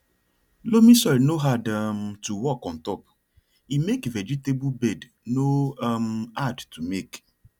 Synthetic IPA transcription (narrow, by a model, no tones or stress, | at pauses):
lomisɔɪnoɦadmtuwɔkɔ̃ntɔp | imekvɛd͡ʒitebubɛd | nomadtʰumek